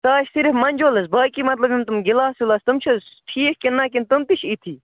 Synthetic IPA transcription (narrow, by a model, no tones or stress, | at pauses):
saːʃsiɾfmɐnʲd͡ʒoːlɐsbaːkiːmɐt̪lɐbimt̪umɡɪlaːsulaːst̪umt͡ʃʰɐsʈʰiːkkinːaːk̬int̪umt̪iʃʰit̪ʰiː